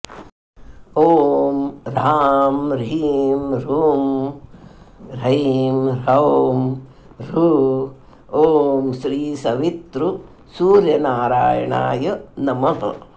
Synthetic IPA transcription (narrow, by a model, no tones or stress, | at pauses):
oːmɾaːmɾɐmɾuːm | ɾɐimɾɐːm | ɾu | oːmʃɾiːsɐʋit̪ɾu | suːɾjɐnaːɾaːjɐɳa̰ːjɐnɐmɐɦɐ̰